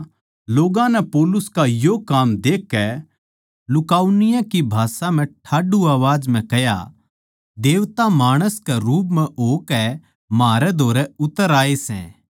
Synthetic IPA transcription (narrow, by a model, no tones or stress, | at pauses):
loːɡãnɛpoːlʊskajoːkaːmd̪eːkːɛ | lʊkaːunɪjãkibʱaːsãm̤ɛ̃ʈʰaːɖuaːʋaːd͡ʒm̤ɛ̃kɐja̰ | d̪eːʋt̪amaːɽ̃əskɛɾuːp̬mɛ̃ʔoːkɛ | maːɾɛd̪ʱoːɾɛʊt̪ːəɾaːesɛ̰̃ː